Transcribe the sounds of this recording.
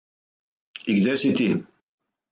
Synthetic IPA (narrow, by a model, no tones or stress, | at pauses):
ikd̪ɛsit̪i